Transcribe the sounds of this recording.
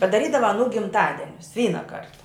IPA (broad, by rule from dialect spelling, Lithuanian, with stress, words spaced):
pɐdɐˈrʲiːdɐʋɐ ɐˈnuː ɡʲɪmˈtɑːdʲɛnʲʊs ˈʋʲiːnɐ ˈkɐrtɐ